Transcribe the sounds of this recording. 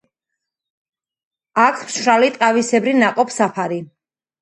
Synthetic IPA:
akʰmʃɾalit̪ʼqʼavisɛbɾinaqʼɔpʰsapʰaɾi

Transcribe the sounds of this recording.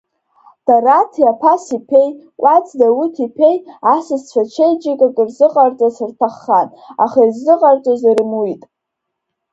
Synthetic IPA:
d̥aratʰjapʰasipʰe̞j | wʷʔat͡sʰʼdawutʰipʰe̞jasɨzt͡ɕʷʰat͡ʃʷʰejd͡ʒʼɪkʼakʼirzɨqʼart͡sʼasɨrtʰaχːan | aχairzɨqʼart͡sʼaziɾɨmwijtʼ

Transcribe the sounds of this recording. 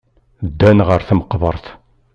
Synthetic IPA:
d̪ːænʁəɾθəmqbəɾˤθ

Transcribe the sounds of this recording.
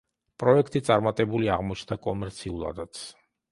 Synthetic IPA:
pʼɾɔɛkʰt̪ʼit̪sʼaɾmat̪ʼɛbuliaʁmɔt͡ʃʰnd̪akʼɔmɛɾt̪sʰiulˠa̰d̪at̪sʰ

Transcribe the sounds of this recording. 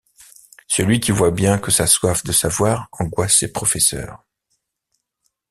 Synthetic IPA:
səlɥikʲivwabjɛ̃kəsaswafd̪əsavwaːʁɑ̃ɡwasːepχɔfɛsœ̰ːʁ

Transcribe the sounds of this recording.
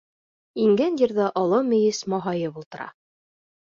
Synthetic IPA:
iŋɡænd̪iɾðɤʔɑlˠɤmɵ̆jɘsmɑɦɑjɤbulˠt̪ɤ̆ɾɑ̰

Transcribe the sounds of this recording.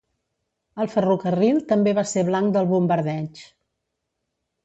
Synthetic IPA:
əlˠfərukərilˠt̪əmbeβaseβlaŋkd̪əlˠβumbəɾðɛt͡ʃ

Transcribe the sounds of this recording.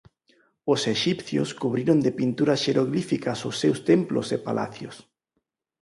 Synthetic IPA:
oseʃipθjo̰skuβɾiɾond̪epint̪uɾɐsʃeɾoɣlifikɐsʊsːewst̪emplo̰sepalʔa̰θjo̰s

